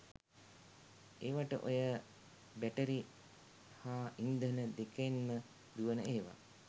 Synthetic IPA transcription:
eːʋaʈəʔojə | bæʈəɾi | haːʔind̪ənəd̪eknmə | d̪uʋənəeːʋa̰

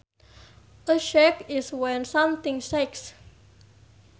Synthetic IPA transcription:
ðəʃɛkɪswɛ̃nsʌ̃mθɪ̃ŋsɛks

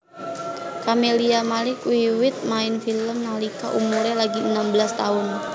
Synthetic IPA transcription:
kameliamalɪkwiwɪt̪̚maɪnfiləmnalikaʔumuɾɛlaɡinambəlast̪aʊn

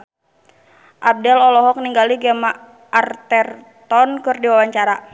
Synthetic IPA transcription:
ʔab̚dɛlɔlɔɦɔk̚niŋɡaliɡɛmaː | rt̪ɛr | t̪ɔnkɨrdiwawaɲt͡ʃaɾa

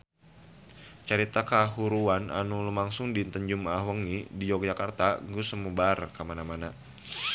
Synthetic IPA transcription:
t͡ʃəɾit̪akaɦuɾuana̰nulumaŋsʊŋdint̪əɲd͡ʒumaɦwəŋidid͡ʒɔk̚d͡ʒakart̪aɡusəmubarkamanamana

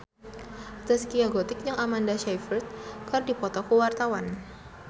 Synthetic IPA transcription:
t̪askiaɡot̪ɪk̚jaŋamandaʃajfərt̪̚kardipɔt̪ɔkuwart̪awan

